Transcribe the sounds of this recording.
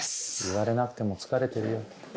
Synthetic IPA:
iβaɾe̞nakɯ̟t̪e̞mo̞t͡sɨ̥kaɾe̞t̪e̞ɾɯ̟jo

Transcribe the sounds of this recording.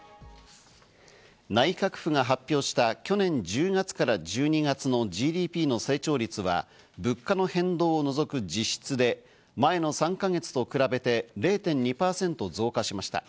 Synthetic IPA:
naikakɯ̟̥ɸɯ̟ŋaɦapʲːjo̞ːɕi̥t̪akʲo̞nẽ̞ɲ̟d͡ʑɨːŋat͡sɨ̥kaɾad͡ʑɨːɲ̟iɡat͡sɨno̞d͡ʑiːd̪ʲiːpʲiːno̞se̞ːt͡ɕo̞ːɾʲit͡sɨβa̰ | bɯ̟kːano̞hẽ̞nd̪o̞ːno̞zo̞kɯ̟d͡ʑiɕi̥t͡sɨd̪e̞ | mae̞no̞sãŋkaŋe̞t͡sɨ̥t̪o̞kɯ̟ɾabe̞t̪e̞ɾe̞ːt̪ẽ̞ɲ̟ɲːipaːsẽ̞nt̪o̞zo̞ːkaɕimaɕi̥t̪a̰

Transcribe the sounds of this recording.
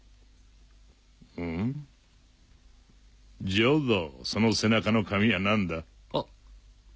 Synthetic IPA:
d͡ʒowðosonosenakanokʰamianãnd̪a

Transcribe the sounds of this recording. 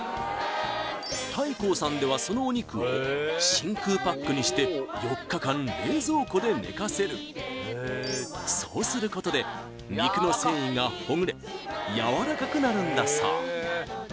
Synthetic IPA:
t̪aiko̞ːsãnd̪e̞β̞aso̞no̞ːɲ̟ikɯ̟oɕĩŋkɯːpakːɯ̟ɲ̟iɕi̥t̪e̞jo̞kːakãne̞ːzo̞ːko̞d̪e̞ne̞̰kase̞ɾɯ̟̰ | so̞ːsɨɾɯ̟ko̞t̪o̞d̪e̞ | ɲʲikɯ̟no̞sẽ̞ɰ̃ĩŋɡaho̞ŋ̟ɾe̞ | jaβaɾakakɯ̟naɾɯ̟̃nd̪asa̰

